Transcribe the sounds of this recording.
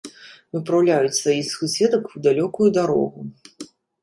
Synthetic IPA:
vɨpɾawlʲajut͡sʲsvajixsusʲɛd̪ɐkwd̪alʲɔkujud̪aɾɔ̰ɣu

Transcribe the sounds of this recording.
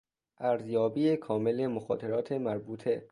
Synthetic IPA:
ʔæɾzjɒːbiːekʰɒːme̞le̞moxɒ̰ːt̪ʰe̞ɾɒːt̪ʰemæɾbuːt̪ʰe

